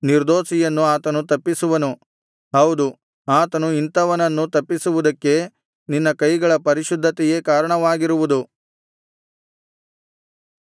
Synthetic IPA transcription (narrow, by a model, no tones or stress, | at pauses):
niɾd̪o̞ːʃijɐnːuaːt̪ɐnut̪ɐpːisuʋɐnu | ɦɐwd̪u | aːt̪ɐnuint̪ɐʋɐnɐnːut̪ɐpːisuʋud̪ɐkːe̞ | ninːɐkɐjɡɐɭɐpɐɾiʃud̪ʱːɐt̪ɛje̞kaːɾɐɳɐʋaːɡiɾuʋud̪u